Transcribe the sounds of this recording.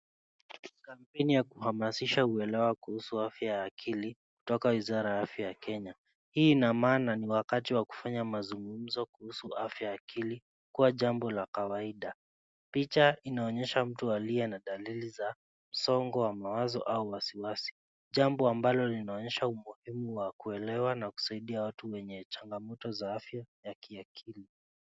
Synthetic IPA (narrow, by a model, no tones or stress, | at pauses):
kampɛnijakuhamasiʃauɛlɛwakuhusuafjajaːkʰili | ku̥tɔkawizaɾajaafjajakɛɲa | hiːnamaːnaniwakatiwaku̥faɲamazuŋɡum̩zɔkuhusuafjaːkʰili | kuwaʄambɔlakawaiɗa | pit͡ʃainaɔɲɛʃam̩tualiɛnaɗaliliza | m̩sɔŋɡɔwamawazɔ̰ʔauwasiwasi̥ | ʄambɔambalɔlinaɔɲɛʃaumuhimuwakuɛlɛwanaku̥saiɗiawatuwɛɲɛt͡ʃaŋɡamɔtɔzaafjajakʰiakʰili